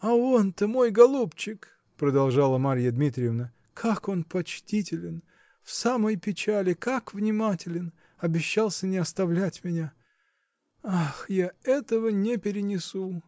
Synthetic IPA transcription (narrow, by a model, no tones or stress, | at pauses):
ɐo̞nt̪əmo̞jɡɐlˠupt͡ɕɪk | pɾəd̪ɐlˠʐalˠəmaɾʲjəd̪mʲit̪ɾʲɪəvnə | kʰako̞npɐt͡ɕtʲitʲɪlʲɪn | fsaməjpʲɪt͡ɕælʲɪkakvnʲɪmatʲɪlʲɪn | ɐbʲɪɕːalˠsʲənʲɪɐst̪ɐvlʲætʲmʲɪnʲa | axjaɛt̪əvənʲɪpʲɪɾʲɪnʲɪsu